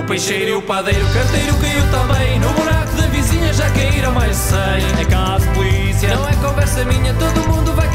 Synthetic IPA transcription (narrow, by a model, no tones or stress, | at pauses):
upɐjʃejɾiupɐðejɾukɐ̃ɾt̪ejɾukɐiwt̪ɐ̃mbɐ̃j̃nuβunakuðɐviziɲɐʒakɛiɾɐ̃w̃majʒsɐ̃j̃ɐkɛlˠaðpulˠi | sijɐnɐ̃w̃ɛkõvɛɾsɐmiɲɐt̪oðumũnd̪uvaj